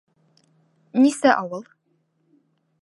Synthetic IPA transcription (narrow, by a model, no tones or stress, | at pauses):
nisæʔɒwɤlˠ